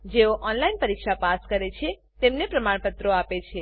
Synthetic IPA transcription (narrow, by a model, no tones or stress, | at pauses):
d͡ʒeoʔɔnlainpəɾikʃapaskəɾet͡ʃʰe | t̪emnepɾəmaɳpət̪ɾoapet͡ʃʰe